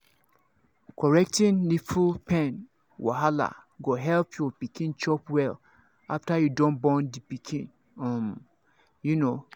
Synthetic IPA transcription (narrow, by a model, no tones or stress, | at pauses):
kɔɹɛk̚tĩnlifupɛ̃n | wa̰ɦala̰ɡoɦɛlpʰjɔpikĩnt͡ʃɔpwɛl | aftajudɔ̃nbɔ̃ndipikʰĩn | ɔ̃m | juno